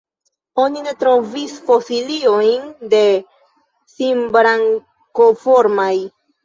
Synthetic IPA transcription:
o̞nine̞tɾovisfosilio̞jnde̞ | simbɾaŋ | kofoɾmaj

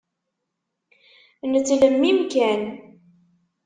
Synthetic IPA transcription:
nət͡sːləmːimkæn

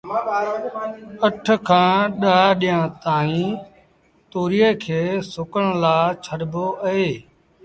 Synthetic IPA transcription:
əʈʰkʰãːɗaːɗɪjãːt̪aːĩː | t̪oːɾiːeːkʰeːsʊkəɳ̃laːt͡ʃʰəɽboːʔəeː

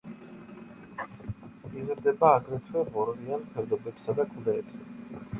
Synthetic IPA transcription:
izɾd̪ɛbaːɡɾɛt̪ʰwɛʁɔɾlianpʰɛɾd̪ɔbɛpsad̪akʼd̪ɛːbzɛ

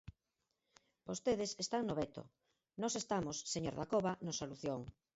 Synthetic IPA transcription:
b̥ost̪eð̞esest̪aŋnoβɛt̪o̰ | nɔsest̪amosːeɲoɾðakoβanosaluθjoŋ

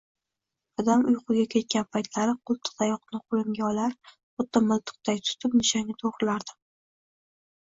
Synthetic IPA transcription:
ɒd̪amʊjqʰʊɡʲakʲʰe̞t̪̚kʲanpʰajt̪ʰlaɾɪqʰʊlˠt̪ʰɨ̥q̚t̪ajɒqnɪqʰolˠɪmɡʲaɒlaɾ | ot̪ʰːamʊlˠt̪ʰɨ̥q̚t̪ajt̪ʰʊ̥t̪ʰɪpnɪʃaŋnɪt̪ʰoʁɾɪlaɾd̪ɪ̥

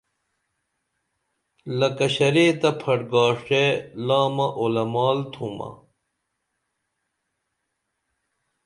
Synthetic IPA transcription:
lɐkɐɕɐɾeːt̪ɐpʰɐʈɡaːʂʈelaːmɐʔolɐmaːlt̪ʰuːmɐ̰

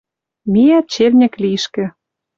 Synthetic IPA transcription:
mijæt̪̚t͡ɕelnʲɘ̆kliʃkɘ̆

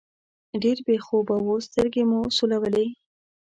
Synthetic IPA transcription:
ɖeɾbexobawost̪əɾɡemusulawəle

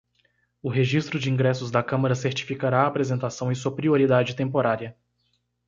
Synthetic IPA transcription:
ʊɦeʒist̪ɾʊd͡ʒɪĩŋɡɾɛsʊzd̪ɐkɐ̃mɐɾɐseɾt͡ʃi̥fikaɾaːpɾezẽnt̪asɐ̃w̃ɪsuɐpɾioɾid̪ad͡ʒɪt̪ẽmpoɾaɾiɐ

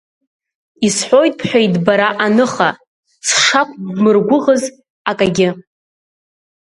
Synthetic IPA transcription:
isħʷojtʼpʰħʷᶣajdbaɾaʔanɨχa | t͡sʰʂakʷʰʼmɨrɡʷʊʁəz | akʼaɡʲɪ

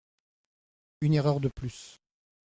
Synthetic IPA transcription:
yneʁœʁd̪əplys

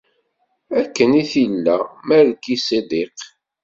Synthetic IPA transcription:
ækːəniθilːæmæɾkːised̪iq

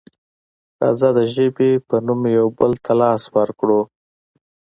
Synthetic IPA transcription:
t̪ɑ̰zad̪əʒəbepənumjawbəlt̪ʰalɑswəɾkɽo

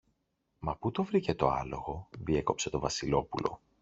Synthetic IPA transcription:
mɐput̪ovɾice̞t̪o̞ɐ̰lo̞ɣo̞ðie̞ko̞pse̞t̪o̞vɐsilo̞pulʔo̞̰

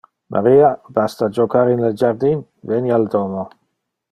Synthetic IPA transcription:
mʔa̰ɾiːabast̪ad͡ʒokaɾinled͡ʒaɾd̪in | veniald̪oːmo

